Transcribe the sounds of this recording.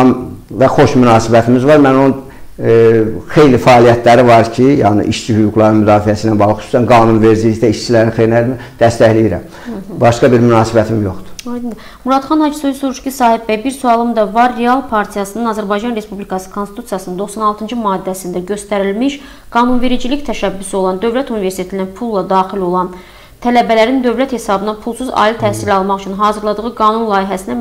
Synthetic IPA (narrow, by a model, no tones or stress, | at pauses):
ɑmvæxo̞ʃmynɑːsibæt̪ʰimizvɑɾmæno̞nun | xe̞jlifæːlijæt̪ʰlæɾivɑɾcʰijɑːnḭʔiʃt͡ʃʰihyɡuɡlˠɑɾɯnmyd̪ɑːfijæsiːnænbɑɣlˠɯxy̥su̥sænɡɑːnunve̞ɾd͡ʒiliçd̪æiʃt͡ʃʰilæɾnixejɾinæmid̪̥æst̪æçlijiɾæ̰m | bɑʃkɑbiɾmynɑːsibæt̪ʰimjo̞xd̪̥u̥ɑjd̪ind̪i | muɾɑd̪χɑnhɑd͡ʒisolsoɾuʃcisɑːhibbæjbiɾsuɑlˠɯmd̪ɑvɑɾːeɑlˠpʰɑɾt̪ʰijɑsɯnɯnɑzæɾbɑjd͡ʒɑnɾe̞spublikʰɑsɯ̥kʰonst̪i̥t̪ʰu̥sijɑsɯnɯnd̪o̞xsɑnɑlˠt̪ʰɯnd͡ʒɯmɑːd̪ːæsind̪æɟø̞st̪æɾilmiʃ | ɡ̥ɑːnunve̞ɾid͡ʒilict̪ʰæʃæbːyso̞lˠɑnd̪ø̞vlæt̪univeɾst̪einæpʰulˠːɑd̪ɑːxilo̞lˠɑn | t̪ʰælæbælæɾind̪ø̞vlæt̪he̞sɑbɯnɑpʰulˠsuzɑ̰ːilit̪ʰæhsilɑlˠmɑχyt͡ʃʰynɦɑːzɯɾlˠɑd̪ɯʁɯɡɑːnunlˠɑːjiɦæsinæ